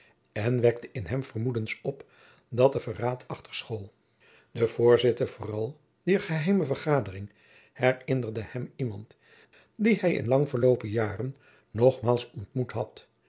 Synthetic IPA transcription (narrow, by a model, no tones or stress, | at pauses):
ɛnʋɛk̚təʔɪnɦɛmv̥ərmudənsɔp | dɑt̚dəvəraːtʰɑχtəɹsχolˠ | d̥əv̥ʊːɹzɪtəɹv̥ʊːrɑlˠ | d̥iːɹχəɦɛjməvəɹχaːdərɪŋ | hɛrɪnərdəhɛmimɑnt | dihɛjɪ̰nlɑŋvəɹlowpəjaːrənː | ɔχmaːlˠsɔntmutɦɑt